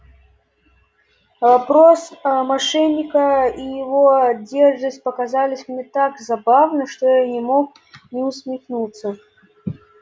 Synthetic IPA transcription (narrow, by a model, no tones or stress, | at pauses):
vapɾɔsmaʂɛnʲːikɐijɪvɔad͡zʲɛrʐd̪ɐsʲpɐkazalʲisʲmnʲɛt̪aɡzabawnɐʂt̪ɔjanʲɛmɔk | nʲɛwsʲmʲixnut̪sːɐ